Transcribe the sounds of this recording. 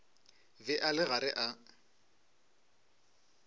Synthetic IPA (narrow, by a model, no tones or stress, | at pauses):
vɪʔalɪɣaɾɪʔa